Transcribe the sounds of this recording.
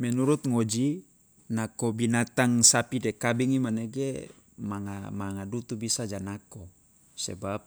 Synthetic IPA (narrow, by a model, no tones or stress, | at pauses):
mɛnuɾut̪̚ŋod͡ʒi | nakobinat̪aŋsapidekabiŋimaneɡe | maŋa̰maŋadut̪ubisad͡ʒanako | sḛbap̚